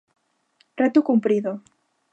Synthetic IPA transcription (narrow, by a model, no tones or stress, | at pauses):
ret̪ukumpɾiðo